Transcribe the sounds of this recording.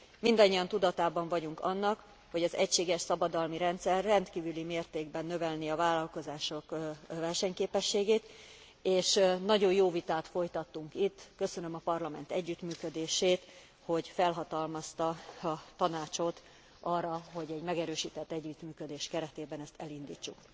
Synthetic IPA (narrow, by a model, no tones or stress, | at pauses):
mind̪ɒɲːiɒnt̪ud̪ɒt̪aːbɒɱvɒɟuŋkɒnːɒk | ho̞ɟɒzɛcʃeːɡɛʃsɒbɒd̪ɒlmiɾɛnt̪sɛrːɛnt̪kiːvylimeːrt̪eːɡbɛnːø̞vɛlniɒvaːlːɒlko̞zaːʃo̞kvɛrʃɛɲkeːpɛʃːeːɡeːt̪ | eːʃnɒɟo̞jjoːvit̪aːt̪fo̞jt̪ɒt̪ːuŋkit̪ːkø̞sø̞nø̞mɒpɒrlɒmɛ̰n̪t̪ɛɟːyt̪myːkød̪eːʃeːt̪ | ho̞ɟfɛlɦɒt̪ɒlmɒst̪ɒɒt̪ɒnaːt͡ʃo̞t̪ | ʔɒrːɒɦo̞ɟɛɟmɛɡɛɾøːʃiːt̪ɛt̪ːɛɟːyt̪myːkø̞d̪eːʃkɛɾɛt̪eːbɛnɛst̪ɛlind̪ḭːt͡ʃːuk